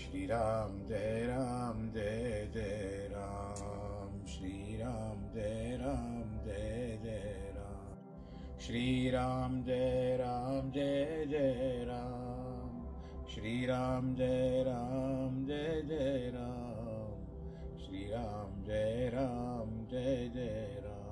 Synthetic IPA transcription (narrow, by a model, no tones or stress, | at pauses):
ʃɾiːɾaːmd͡ʒeɾaːmd͡ʒed͡ʒe | ɾa | mʃɾiɾaːmd͡ʒeɾaːmd͡ʒed͡ʒeɾa | m | ʃɾiːɾaːmd͡ʒeɾaːmd͡ʒed͡ʒeɾa | m | ʃɾiːɾaːmd͡ʒeɾamd͡ʒed͡ʒeɾa | m | ʃɾiːɾaːmd͡ʒeɾaːmd͡ʒed͡ʒeɾaː